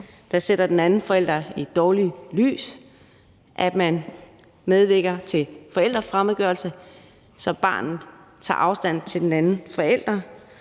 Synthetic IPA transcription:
d̥ɑ̈sed̥ɐd̥enænn̩fɒ̽el̰d̥ʁɐid̥ɒːlily̰ːs | ʔæd̥mæn | með̞ˠʋe̝ɡ̥ɐt͡sʰe̝fɒ̽el̰d̥ʁɐfʁamðˠɡ̥œɐlsə | sɒ̽b̥ɑ̰̈ːnð̩ˠt͡sʰɑ̰̈ːʔɑ̈ʊsd̥æn̰t͡sʰe̝ld̥enænn̩fɒ̽el̰d̥ʁɐ

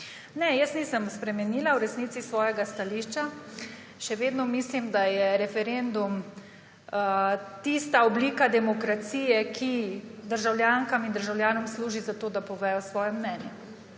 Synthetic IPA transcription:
nɛjəsnisəmspɾɛmɛniːlawɾɛsniːt̪sisʋɔːjɛɡast̪aliʃt͡ʃa | ʃɛʋeːd̪nɔmislimd̪ajɛɾɛfɛɾend̪um | t̪ist̪aɔbliːkad̪ɛmɔkɾat̪siːjɛkʰid̪əɾʒawljaŋkamind̪əɾʒawlʲjaːnɔmsluːʒizat̪oːd̪apɔʋɛːjɔsʋɔːjɛmnɛnjɛ

